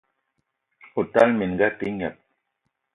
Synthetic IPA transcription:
o˨ta˦lmi˨n˨ɡa˦pi˦ŋɛ˨p̚

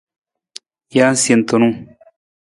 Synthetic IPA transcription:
ja˦n˦sje˨nt̪o˨nũ˦

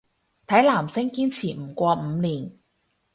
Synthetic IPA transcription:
t̪ʰɐ˨˥jlaː˨˩msɪ˥ŋkiː˥nt͡sʰiː˨˩m̩˨˩kʷɔː˧m̩˨˧niː˨˩n

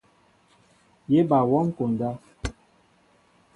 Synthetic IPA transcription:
je˦ba˨wɔ˦ŋ̩˦ko˨n˨da˦

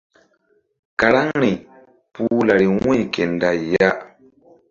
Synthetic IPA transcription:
ka˨ɾa˦ŋɾi˨ | puː˦la˨ɾi˨ŋĩ˦˨kɛ˨nda˨ja˦

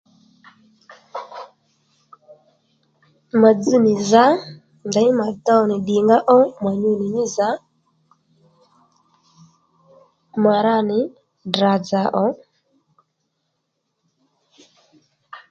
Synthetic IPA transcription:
ma˨d͡zu˦nɪ˨za˦ | nda˨ɪ˦ma˨da˦ɔ˨nɪ˨ɗɪ˨ŋɡa˦ʔɔ˦ma˨ɲu˦nɪ˨ɲɪ˦za˨˦ | ma˨ɾa˦˨nɪ˨ | dɾa˨d͡za˨ʔɔ˨˦

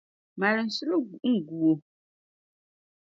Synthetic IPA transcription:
ma˨lɨ˨n̩˨su˦lo˦ɡu˨ʔŋ̩˦˨ɡu˨o˨

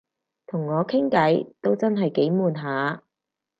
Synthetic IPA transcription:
t̪ʰʊ˨˩ŋːɔː˨˧kʰɪ˥ŋkɐ˨˥jt̪o˥wt͡sɐ˥nɦɐ˨jke˨˥jmuː˨nɦaː˨˧

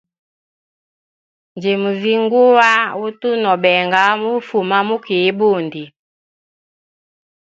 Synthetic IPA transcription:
nd͡ʒe˨mu˨vi˦ŋɡu˦wa˦wu˦tu˦nɔ˨ɓɛ˨ŋɡa˦mu˦fu˨ma˦mu˦ki˨˦bo˦˨ndi˨

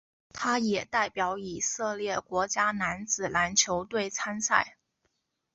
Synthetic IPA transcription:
t̪ʰa˥jɛ˨˩t̪a˥˩ɪpjɑ˧˥ʊi˨˩sɤ˥˧ljɛ˥˩kwɔ˧˥t͡ɕja˥na˧˥nt͡sɹ̩˨˩la˧˥nt͡ɕʰjo˧˥ʊt̪we˥˩ɪt͡sʰa˥nsa˥˩ɪ

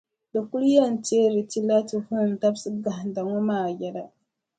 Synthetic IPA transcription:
do˨ku˦lja˦n˨te˦ɾi˨ti˦la˦ti˨hu˦˨n˨ta˦bsi˦ɡa˨ɦda˨ŋo˦maː˨ja˨ɾa˦

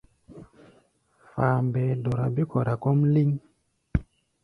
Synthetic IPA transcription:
faː˨mbɛ˨do˨ɾa˨bi˦kɔ˨ɾa˨kɔ˦mli˦ŋ

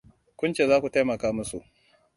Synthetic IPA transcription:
kʷʊ˦nt͡ʃeː˨zaː˦kʷu˨ta˦jmɐ˨kaː˦mʊ˦sṵ˨ʔ

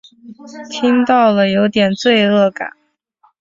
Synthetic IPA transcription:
t̪ʰi˥ŋt̪ɑ˥˩ʊlə˩jo˧˥ʊt̪jɛ˨˩nt͡swe˥˧ɪɤ˥˩ka̰˨˩˦n

